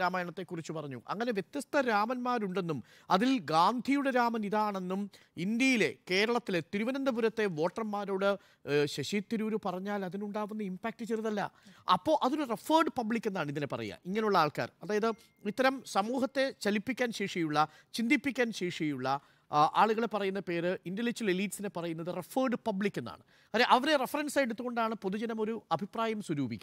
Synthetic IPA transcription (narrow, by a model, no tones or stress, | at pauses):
aːmaːjɐɳɐt̪ːe̞kːurit͡ɕːupɐrɐɲːṵʔɐ̰ŋːɐne̞ʋjet̪jɐst̪ʰɐɾaːmɐnmaːɾuɳɖe̞nːum | ɐðilɡaːnd̪ʱijuɽeɾaːmɐniðaːɳe̞nːum | ind̪jɐjile̞ke̞ːɾɐɭɐt̪ːile̞t̪iɾuʋɐnɐnd̪ɐbuɾɐt̪ːe̞ʋo̞ːʈrɐmːaːɾo̞ːɽɨ | ɕeɕiːt̪ːiɾuːɾɨpɐrɐɲːaːlɐðinuɳɖaːʋunːɨimpaːk̚ʈɨt͡ɕeriðɐlːɐ̰ɐ̰pːo̞ːʔɐðoɾurefɐːrɖpɐbɭikʲːenːaːɳɨiðinepɐ̰rɐ̰jːa̰ʔiŋːɐnejuɭːɐaːɭka̰ːrɐðaːjɐðɨ | it̪ːɐɾɐmsɐmuːɦɐt̪ːe̞t͡ɕɐlipːikʲːaːnɕeːʂijuɭːɐ | t͡ɕind̪ipːikʲːaːnɕeːʂijuɭːɐ | ʔaːɭuɣɐɭe̞pːɐrɐjunːɐpe̞ːɾɨindelit͡ɕːileliːʈsine̞pɐrɐjunːɐðɨrefɐːɖɨpɐbɭikʲːenːa̰ːɳɨ | ɐɾeʔɐʋɐɾerefɐrɐnsaːjeɽut̪ːuɣo̞ɳɖaːɳɨpo̞ðud͡ʑɐnɐmo̞ɾuɐbʱipraːjɐmswɐɾuːbʱikʲː